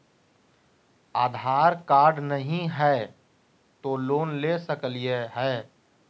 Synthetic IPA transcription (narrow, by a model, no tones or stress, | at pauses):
aːd̪ʱaːɾkaːɾɖnəɦĩɦɛ | t̪oloːnlesəklieɦɛː